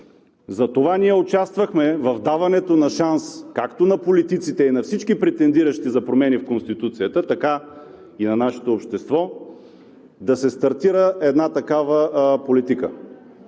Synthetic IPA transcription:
zɐt̪ovaniɛot͡ʃast̪vɐxmɛvɐvd̪avɐnɛt̪onɐʃanskakt̪onɐpolit̪it̪sit̪ɛinɐfsit͡ʃkipɾɛt̪ɛnd̪iɾəʃt̪izɐpɾomɛnifkonst̪it̪ut̪sijət̪ət̪ɐka | inɐnaʃɛ̥t̪oːpʃt̪ɛst̪vɔ | d̪ɐsɛst̪ɐɾt̪iɾəɛd̪nat̪ɐkavəpolit̪ikə

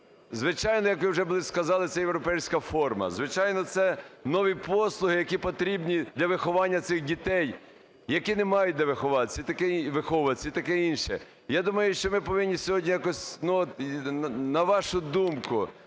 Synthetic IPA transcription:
zʋɪt͡ʃɑjnɔjɐkʋɪwʒɛbʊlˠɪskɐzɑlˠɪt̪sɛjewɾɔpɛjsʲkɐfɔrmɐ̰zʋɪt͡ʃɑjnɔt̪sɛnɔʋʲipɔslˠʊɦɪjɐkʲipɔt̪ɾʲibnʲid̪lʲɐʋɪxɔʋɑnʲːɐt̪sɪxdʲit̪ɛj | jɐkinɛmɑjʊt̚ʲd̪ʲɐʋɪxɔʋɑt̪t͡sʲːɐit̪ɐkɛiʋɪxɔʋɐt͡sʲːɐit̪ɐkɛinʃɛ̰ | jad̪umɐjʊʃt͡ʃɔmɪpɔʋɪnʲːisʲɔɦɔdʲnʲijakɔsʲnuɔt̪ | nɐʋɑʃʊd̪umkʊ

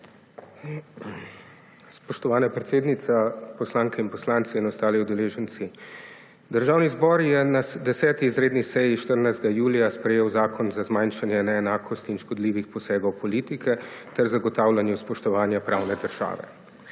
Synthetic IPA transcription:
spɔʃt̪ɔʋaːnapɾɛt̪seːd̪nit̪sapɔslaːŋkɛinpɔslaːnt̪siːnɔst̪aːliwd̪ɛleːʒənt̪si | d̪əɾʒaːwnizbɔɾjɛnasd̪ɛsɛːt̪iːzɾeːd̪nisɛjiʃt̪əɾnajzd̪ɡajuːlijaspɾɛjeːwzaːkʰɔnzazmajnʃanjɛnɛːnaːkʰɔst̪iinʃkɔd̪liːʋixpɔsɛːɡɔwpɔliːt̪ikʰɛt̪ɛɾzaɡɔt̪aːwlanjuspɔʃt̪ɔʋaːnjapɾaːwnɛd̪əɾʒ̥a̰ːʋɛ̰

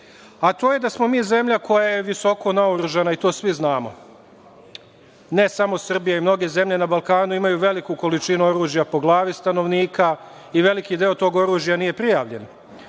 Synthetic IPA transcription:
at̪oːje̞d̪asmo̞miːze̞mʎako̞jaje̞ʋiso̞ko̞naoɾuʒanait̪o̞ːsʋiznaːmo̞̰ | ne̞samo̞sr̩bijaimno̞ɡe̞ze̞mʎe̞nabalˠkaːnuimajuːʋe̞likuko̞lit͡ʃinuo̞ɾuːʒjapo̞ɡlˠaːʋist̪ano̞ʋniːka | iʋe̞likid̪eo̞t̪o̞ːɡo̞ɾuːʒjanije̞pɾijaːʋʎe̞n

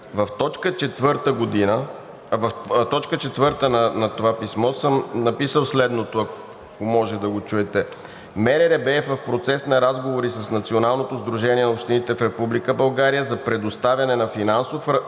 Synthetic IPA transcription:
vɐft̪ɔt͡ʃkət͡ʃɛt̪vəɾt̪əɡod̪inə | vt̪ɔt͡ʃkət͡ʃɛt̪vɤɾt̪ənɐnɐt̪ovapismɔsəmnɐpisəlˠslɛd̪not̪oɐ | komɔʒɛd̪ɐɡot͡ʃuɛt̪ɛ | mɛɾɛɾɛbɛɛfvɐfpɾot̪sɛsnɐɾazɡovoɾisəsnɐt̪sionalˠnot̪ozd̪ɾuʒɛniɛnɐopʃt̪init̪ɛfɾɛpublikəbɐlˠɡaɾijəzɐpɾɛd̪ost̪avʲjɐnɛnɐfinansofɾ

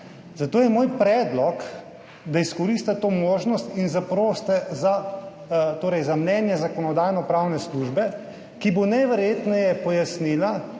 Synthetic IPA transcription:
zat̪oːjɛmoːjpɾɛːd̪lɔk | d̪aiskɔɾist̪at̪oːmoːʒnɔst̪inzapɾoːst̪ɛza | t̪oːɾɛjzamnɛːnjɛzakɔnɔd̪aːjnɔpɾawnɛsluʒbɛ | kibonɛʋɛɾjeːt̪nɛjɛpɔjasnila

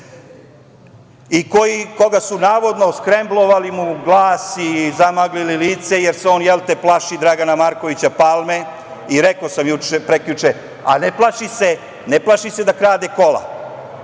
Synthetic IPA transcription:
ikojiko̞ɡasunaːʋo̞d̪noskɾemblˠoʋalimuɡlˠaːsizamaɡlililiːt̪se̞jeɾseo̞ːnjelˠt̪eplˠaʃid̪ɾaɡanamaɾko̞ʋit͡ɕapalme̞ | iɾekosamjut͡ʃepɾekʎut͡ʃe | a̰neplˠaʃise | neplˠaʃised̪akɾaːd̪eko̞la̰

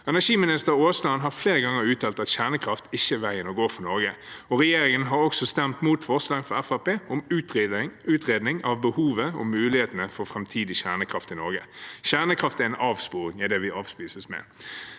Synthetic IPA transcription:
ɛnæʂiːmɪnɪst̪əɾoːslɑnɦɑʁfleːʁəɡɑŋəɾʉːt̪ʰɑːlt̪ɑt̪çæʁnəkʰɾɑft̪ɪçːəʋæɪənɔɡoːfɔnɔɾɡəɔʁɛjeːɾɪŋənɦɑɾɔksɔst̪ɛmt̪muːt̪fɔʁslɑːŋfɔɾɛfɑpeːʊmʉːt̪ʉːt̪ʁeːd̪nɪŋɑʋbəhuːʋəɔ̰mʉːlɪheːt̪ənəfɔʁfʁɛmt̪ʰiːd̪ɪçæʁnəkʰɾɑft̪ɪnɔɾɡə̰çæʁnəkʰʁɑft̪æʁɪnʔɑːʋspuːɾɪŋɛd̪ɛʋɪʔɑːʋspiːsəsmɛ̰

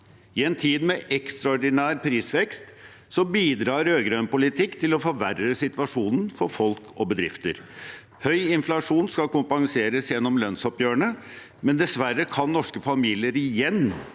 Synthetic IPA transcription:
ɪɛnt̪ʰiːd̪mɛʔɛkst̪ɾɑɔɖɪnæːɾpʰɾiːsʋɛkst̪ | sɔbiːd̪ɾɑːɾøːɡɾœnpʊlɪt̪ʰɪkːt̪ʰɪlɔfɔʋærəsɪt̪ʋɑʂuːnən̩fɔɾfɔlkʰɔbəd̪ɾɪft̪ə̰ɾ | hœʏɪnflɑʂuːnskɑkʊmpɑŋseːɾəsjɛnːɔmlœnsɔpjøːəɳə | mɛnd̪ɛsʋæɾːəkʰɑnːɔʂkəfɑmiːlɪəɾɪjɛnː

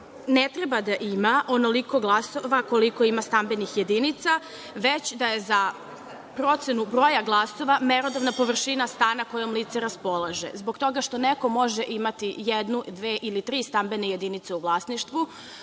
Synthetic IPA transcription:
net̪ɾebad̪aʔimaʔo̞noliko̞ɡlˠasoʋakoliko̞imast̪ambe̞nixje̞d̪init̪sa | ʋet͡ɕd̪aje̞za | pɾo̞t̪senubɾoːjaɡlˠaso̞ʋameɾod̪oʋnapo̞ʋr̩ʃinast̪aːnako̞jomliːt̪seɾaspo̞lˠaʒḛzbo̞ɡt̪o̞ɡaʃt̪o̞neko̞mo̞ʒeʔimat̪ijed̪nud̪ʋeːʔilit̪ɾiːst̪ambenejed̪init̪seuʋlˠasniʃt̪ʋu

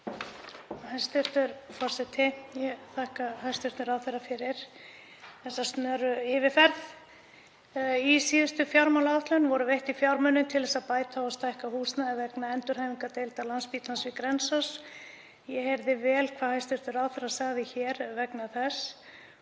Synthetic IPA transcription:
hajst̪ʏɾ̥t̪ʏɾfɔr̥sɛt̪ʰɪjɛθahkahajst̪ʏɾ̥t̪nʏɾawθɛrːafɪɾɪɾ̥ | θɛsːast̪nœːɾʏɪːvɪfɛɾð | isiːðʏst̪ʏfjawɾmalaaht̪lʏnvɔɾʏvejht̪ifjawɾmœnːʏmt̪ʰɪlðɛsaðpaːjt̪ʰaɔst̪ajhkahuːsnaɛvɛknaɛnt̪ʏɾ̥haːviŋkat̪ejlt̪alanspiːt̪lansvɪkɾɛnsas | jɛheɾðɪvɛːlkʰv̥aðhast̪ʏɾt̪ʏɾawθɛrːasaɣðɪçɛːɾvɛknaθɛs

